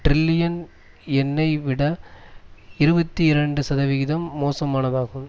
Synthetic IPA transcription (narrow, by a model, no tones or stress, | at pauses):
ʈɾɪlːɪjɐn | ɛnːɐɪʋɪɽɐ | ɪɾɯbɐt̪ːiɪɾɐɳɖɯsɐðɐʋɪɣɪðɐmːoːsɐmaːnɐðaːɣɯm